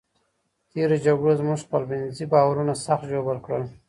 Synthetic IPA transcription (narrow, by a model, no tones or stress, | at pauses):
t̪eɾod͡ʒaɡɽozmuʐpəlbɪnzibɑwaɾunasaxt̪ʒobəlkɽəl